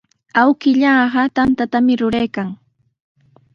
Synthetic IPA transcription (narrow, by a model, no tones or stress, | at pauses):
awkɪʎɑːɢɑt̪ant̪at̪amɪɾʊɾajkaŋ